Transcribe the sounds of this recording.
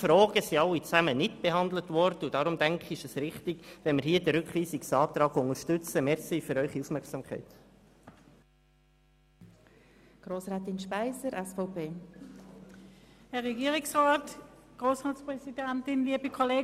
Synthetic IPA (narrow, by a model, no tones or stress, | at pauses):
fɾoːɡ̥əsiɑlːit͡sæmənɪtb̥eɦɑnd̪lətvɔɾd̥əud̥ɑɾʊmdɛŋkχɪʃəsɾɪχtɪɡʋɛnmɪɾhiːədɛɾʏkχʋiːsɪksɑːt̪ɾɑːɡʊŋəɾʃtʏt͡səmɛɾsiːfyɾœʏχiufmɛɾksɑmkʰæ̰ɪt | ɡ̥ɾoːsʁɑːt̪ɪnʃpæɪsəɾʔɛsfɔʊpʰeː | hɛɐʁɛɡiːʁɪksʁaːtɡ̥ʁoːsʁaːtspʁɛsidɛntɪnliəbəkʰoleː